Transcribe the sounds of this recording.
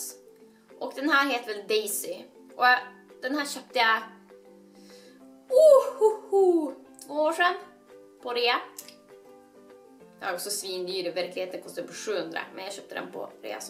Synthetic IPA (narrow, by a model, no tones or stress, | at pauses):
ʔɔkd̪ɛnhæːɾɦeːt̪əvɛld̪ɛjsɪ | ʔɔj | d̪̥ɛnhæːɾɕœːp̚t̪əjɑ | ohhuhut̪ʰvoːoːʂɛn | pʰɔɾeːa | d̪ɛhaɾɔksɔsviːnd̪yːɾɛvæɾklɪheːt̪ənkʰɔst̪ad̪ɵpfʰɔʂʉ̟ːhɵnd̪ɾa̰mʔɛnjaɕœːp̚t̪əd̪ɛ̰npʰɔ̰ɾḛːa̰s